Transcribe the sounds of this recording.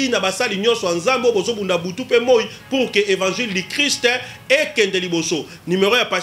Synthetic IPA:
inabasaliɲɔ̃nsɔjanzambobozobundabutupemoi | puʁkeʔevãʒildikʁist | ekɛndeliboso | nymeʁojapa

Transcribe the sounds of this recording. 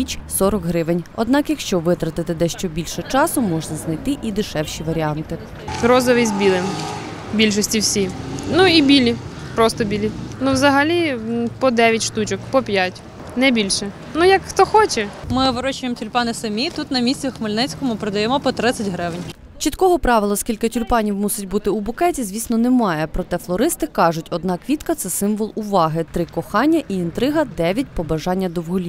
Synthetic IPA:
it͡ʃʲsɔɾɔkɦɾɪʋɪnʲɔd̪̚nɑkjɐkʃt͡ʃɔʋɪt̪ɾɐt̪ɪt̪ɪd̪ɛʃt͡ʃɔbʲilʲʃɛt͡ʃɑsʊmɔʒnɐznɐjt̪ɪʔid̪ɪʃɛwʃʲiʋɐɾʲiɑnt̪ɪ | ɦɾɔzɔʋɪzʲbʲilˠɪm | bʲilʲʃ̬ɔsʲtʲiwsʲinuibʲilʲi | pɾɔst̪ɔbʲilʲinuwzɐɦɐlʲipɔd̪ɛʋʲjɐtʲʃt̪ut͡ʃɔkpɔpʲjatʲ | nɛbʲilʲʃɛ | nujɐkxt̪ɔxɔt͡ʃɛmɪʋɪɾɔt͡ʃʊjemtʲʊlʲpɑnɪsɐmʲit̪ut̪nɐmʲisʲt͡sʲɐxmɪlʲnɛt͡sʲkɔmʊpɾed̪ɐjɛmɔpɔt̪ɾɪt̪sʲɐtʲɦɾɪʋɪnʲ | t͡ʃit̪kɔɦɔpɾɑʋɪlˠɐskʲilʲkɪtʲʊlʲpɑnʲiwmusʲɪtʲbut̪ɪʊbʊkɛtʲizʲʋʲisʲnɔnɛmɑjɛpɾɔt̪ɛflˠɔɾɪst̪ɪkɑʒʊtʲɔd̪nɑkʋʲit̪kɐt̪sɛsɪmʋɔlˠʊʋɑɦɪt̪ɾɪkɔxɑnʲːɐʔiint̪ɾɪɦɐd̪ɛʋʲjɐt̚ʲpɔbɐʒɑnʲːɐd̪ɔwɦɔlʲi

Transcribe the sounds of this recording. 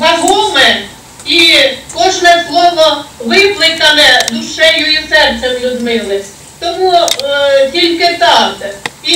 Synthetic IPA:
ɦɐɦumɛ | ikɔʒnɛslˠɔʋɔʋɪplˠɪkɐnɛd̪ʊʃɛjʊisɛrt̪sɛmlʲuzmɪlˠɪsʲ | t̪ɔmu | tʲilʲkɪt̪ɑd̪ɛi

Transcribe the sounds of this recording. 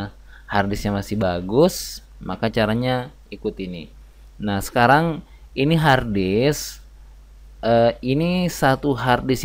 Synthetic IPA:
hardɪsɲaŋmasɪhbaɡʊs | makat͡ʃaɾaɲa | ikut̪ini | nahsə̥kaɾaŋ | iniɦardɪs | ʔəinisat̪uɦardɪs

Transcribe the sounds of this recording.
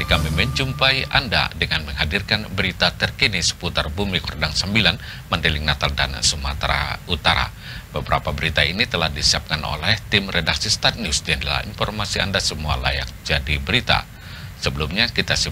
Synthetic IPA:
t̪ikamiməɲt͡ʃumpaianda̰dəŋanməŋɦadirkanbəɾit̪at̪ərkinisə̥put̪arbumikurdaŋsəmbilan | məndilɪŋnat̪alda̰nsuma̰t̪ɾa̰ut̪aɾa̰ | b̥əbəɾapabəɾit̪ainit̪əlahdisiap̚kanʔo̰lɛht̪ɪmredaksist̪at̪̚nusdiandəla̰ḭnfɔrmasia̰ndasəmua̰la̰jak̚d͡ʒadibəɾit̪a̰ | səbəlumɲakit̪asə

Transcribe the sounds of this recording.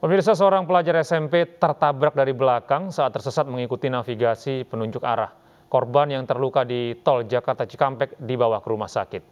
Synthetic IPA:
pəmirs̬as̬əoɾaŋpəlad͡ʒaɾɛsɛmpet̪ərt̪abɾak̚daɾibəlakaŋsaat̪ːərsəsat̪̚məŋikut̪inafiɡasipənuɲd͡ʒʊka̰ɾa̰h | kɔrbanjaŋt̪ərlukadit̪ɔld͡ʒakart̪at͡ʃi̥kampɛk̚dibawahkəɾumahsa̰kɪt̪̚

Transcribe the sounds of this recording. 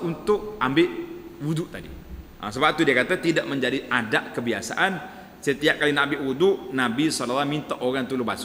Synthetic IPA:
unt̪ʊk̚ambɪʔwuduʔt̪adḭʔə̰səbap̚t̪udiakat̪at̪idaʔməɲd͡ʒadiʔadaʔkəbiasa̰ʔan | sət̪iaʔkalinabɪʔwudʊʔnabisɔlalːamint̪aʔoɡaŋt̪ulubasʊ

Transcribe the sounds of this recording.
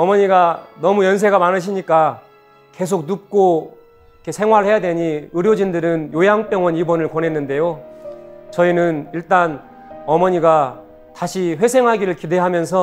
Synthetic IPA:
ʌmʌɲiɡanʌmujʌns̬ʰe̞ɡamanɯɕ̬ʰiɲik͈a | ke̞s̬ʰok̚nup̚k͈o | ikʰesʰe̞ŋwaɾɯɭɦe̞jadwe̞ɲiɯɾjod͡ʑindɯɾɯnjojaŋp͈jʌŋwʌnibʌnɯɭkonɦe̞nːɯnde̞jo | t͡ɕʌinɯniɭt͈an | ʌmʌɲiɡa | taɕʰiɸwe̞sʰe̞ŋɦaɡiɾɯɭkide̞ɦamjʌnsʰʌ

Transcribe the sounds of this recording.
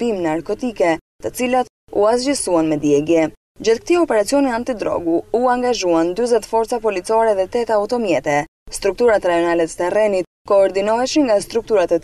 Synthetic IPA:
imnaɾkɔt̪ikɛt̪ət͡silat̪ | ṵazd͡ʒisuanmɛd̪jɛɡjɛ | d͡ʑaθk̚t̪iɔpɛɾat͡sijɔniant̪id̪ɾɔ̰ɡuuaŋɡaʒuand̪yzɛt̪fɔɾt̪t͡sapɔlit͡sɔɾɛðɛt̪ɛt̪aut̪ɔmjɛt̪ɛ | st̪ɾuk̚t̪uɾat̪ɾajɔnalɛt̪ə̥t̪ɛrɛnit̪̚ | kɔːɾd̪inɔɦɛʃinŋɡast̪ɾuk̚t̪uɾat̪ɛ

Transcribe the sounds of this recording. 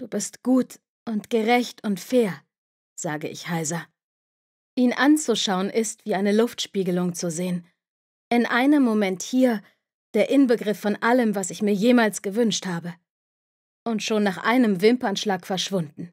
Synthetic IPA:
d̥uːbɪstɡ̥uːt | ʔʊntɡ̥əʁɛçtʊntfeːɐ | z̥aːɡəʔɪ̰çhaɪzɐ | ʔiːnʔant͡suʃaʊənʔɪstv̥iːʔaɪnəlʊftʃpiːɡəlʊŋt͡suzeːən | ʔɪnʔaɪnəmːomɛnthiːɐ | d̥eːɐʔɪnbəɡʁɪfːɔnʔaləmvasɪçmiːɐjeːmaːlsɡ̥əvʏnʃthaːbə | ʔʊntʃoːnːaːχʔaɪnəmvɪmpanʃlaːkfɛɐʃv̥ʊndn̩

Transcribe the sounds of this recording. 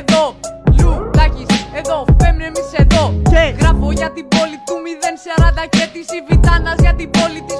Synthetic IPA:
eðo̞ʎud̪ɐcise̞ðo̞femnemiseðo̞eɣɾɐfo̞ʝɐt̪ibo̞lit̪umiðe̞nsɐɾɐd̪ɐcet̪isivit̪ɐnɐzʝɐt̪ibo̞lit̪is

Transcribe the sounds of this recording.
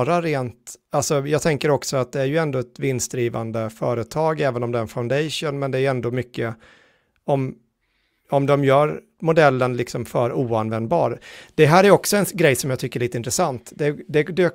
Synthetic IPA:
ɾaɾeːnt̪alsɔjɑːɡt̪ʰɛŋkəɾɔksɔat̪̚d̪ɛæɾjɵɛnd̪oːɛt̪vɪnsd̪ɾiːva̰nd̪əfœːɾət̪ʰɑːɡɛːvənɔmd̪ɛæɾɛnfaʊnd̪ɛjʂunmɛnd̪ɛæjɛnd̪oːmʏkːə | ɔm | ɔmd̪ɔmjœːɾ | mʊd̪ɛlːənlɪksɔmfœɾuːanvɛnd̪̚bɑ̰ːɾd̪̥ɛɦæːɾæjɔksɔɛnɡɾɛjːsɔmjɑːt̪ʰʏkːəɭiːt̪əɪnt̪ɾəsant̪d̪ɛd̪ɛd̪øː

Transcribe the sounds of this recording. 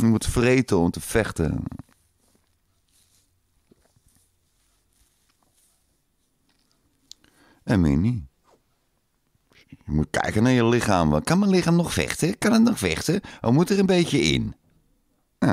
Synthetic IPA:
jəmutfrejtəɔmtəfɛχtə̰ | əmɪ̰ni | jəmut̚kɛ̰jkənaːɹjəlɪχaːmʋɑ̰nkɑnmənlɪχaːmnɔχfɛ̰χtəkɑnətnɔχfɛ̰χtəəlmutərənbejtəɪ̰n | a

